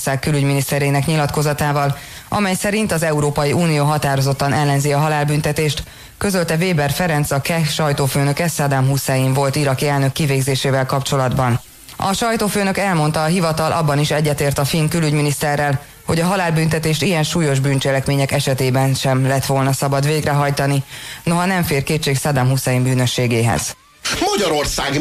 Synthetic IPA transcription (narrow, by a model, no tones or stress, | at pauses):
saːkːylyɟminist̪ɛɾeːnɛkɲilɒt̪ko̞zɒt̪aːvɒl | ʔɒ̰mɛjsɛɾint̪ɒzɛuɾoːpɒjiuːnijoːɦɒt̪aːɾo̞zo̞t̪ːɒnɛlːɛnziɒɦɒlaːlbynt̪ɛt̪eːʃt̪ | kø̞zølt̪ɛveːbɛrfɛɾɛnt̪sɒkɛʃɒjt̪oːføːnø̞kɛsad̪amɦusajimvo̞lt̪iɾɒkiɛlnø̞kːiveːɡzeːʃeːvɛlkɒpt͡ʃo̞lɒd̪bɒn | ɒ̰ʃɒjt̪oːføːnø̞kɛlmo̞nt̪ɒːɦivɒt̪ɒlʔɒ̰bːɒniʃɛɟːɛt̪eːrt̪ɒfiŋkylyɟminist̪ɛrːɛl | ho̞ɟɒɦɒlaːlbynt̪ɛt̪eːʃt̪ijɛnʃuːjo̞ʒbyːnt͡ʃɛlɛkmeːɲɛkɛʃɛt̪eːbɛnʃɛmlɛt̪ʋo̞lnɒsɒbɒd̪ʋeːɡrɛɦɒjt̪ɒnino̞ɦɒnɛɱfeːrkeːt̪t͡ʃːeːksad̪amɦusɛjimbyːnøʃːeːɡeːɦɛ̰z̥ | mɒɟɒɾo̞rsaːɡ